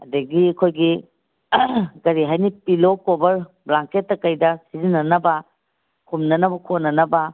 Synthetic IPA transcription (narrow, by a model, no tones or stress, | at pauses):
ɐdɐɡiɐkʰojɡi | ɡɐɾiɦajnipilokobɐɾ | blaŋketːɐkɐjdɐsizinːɐnɐbɐ | kʰumnɐnɐbɐkʰonɐnɐbɐ